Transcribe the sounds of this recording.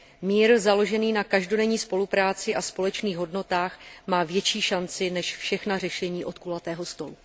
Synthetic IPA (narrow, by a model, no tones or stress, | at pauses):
miːɾzalo̞ʒɛniːnakaʒdo̞dɛɲiːspo̞lupɾaːt͡sɪʔaspo̞lɛt͡ʃniːɣɦo̞dno̞t̪aːxmaːvjɛt͡ʃiːʃant͡sɪnɛʃfʃɛxnarɛʃɛɲiːʔo̞t̪̚kulat̪ɛːɦo̞st̪o̞lu